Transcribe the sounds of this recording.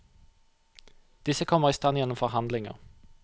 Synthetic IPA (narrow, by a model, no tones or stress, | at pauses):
d̪̥ɪsəkʰɔmːəʁiːst̪ɑnjɛnʊmfɔʁɦɑnd̪lɪŋə̰ʁ